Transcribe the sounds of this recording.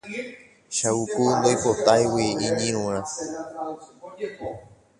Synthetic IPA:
ʃaukund̪ojpot̪ajwiiɲĩɾ̃ũã

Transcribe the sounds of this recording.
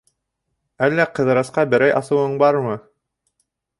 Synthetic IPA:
ælːæqɤ̆ðɤ̆ɾɑsqɑbɘ̆ɾæjʔɑsɤ̆wɤɴbɑɾmɤ

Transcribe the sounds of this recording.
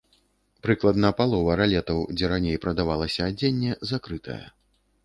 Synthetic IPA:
pɾɨklˠɐd̪nɐpalˠɔvɐɾalʲɛt̪ɐwd͡zʲɛɾanʲejpɾɐd̪avalˠɐsʲɐːd͡zʲenʲːɛzakɾɨt̪ɐ̰jɐ̰

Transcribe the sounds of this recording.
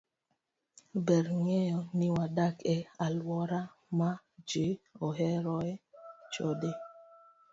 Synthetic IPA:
bɛɾŋɛjɔnɪwadakɛalwɔɾa | ma | d͡ʒeɔɦɛɾɔɛt͡ʃode

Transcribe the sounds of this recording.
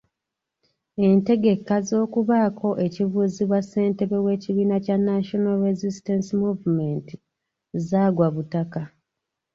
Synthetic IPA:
e̞nte̞ɡe̞kːazo̞ːkuβaːkʰo̞ʔe̞ciβuːziβwasːe̞ːnte̞βe̞we̞ːciβiːnacanːaʃonalɾezistansimuvumenti | zaːɡwaβutaka

